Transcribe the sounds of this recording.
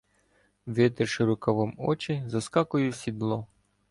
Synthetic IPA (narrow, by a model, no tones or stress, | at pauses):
ʋɪt̪ɪrʃɪɾʊkɐʋɔmɔt͡ʃɪzɐskɑkʊjʊsʲid̪lˠɔ